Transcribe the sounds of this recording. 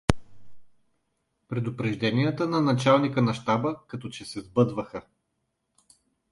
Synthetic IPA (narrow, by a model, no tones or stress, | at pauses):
pɾɛd̪ʊpɾɛʒd̪ɛnijət̪ənɐnɐt͡ʃalˠnikənɐʃt̪abəkɐt̪ɔt͡ʃɛsɛzbɤd̪vəxə